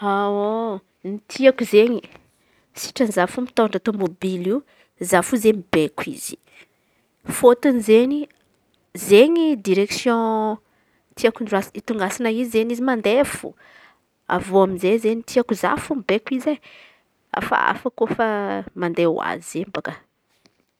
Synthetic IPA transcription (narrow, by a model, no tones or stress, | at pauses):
ao | nit̪ʰiakuzeɲi | si̥ʈ͡ʂanzafumit̪oɳɖ͡ʐat̪omobiliu | zafuzemibekwḭzi̥ | fot̪unizeɲi | zeɲid̪iɾeksjɔ̃ | t̪ʰiakunɖ͡ʐuasit̪uŋɡasanaizizeɲizimand̪efṵ | a̰voaminzejzeɲit̪ʰiakuza̰fumibekizej | a̰fa̰a̰fakofamand̪ew̰a̰zizembakə